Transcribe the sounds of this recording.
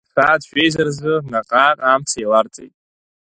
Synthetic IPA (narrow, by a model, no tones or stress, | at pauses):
d̥χadʃᶣejzarzɨnaqʼaqʼamt͡sʰajlart͡sʼḛjtʼ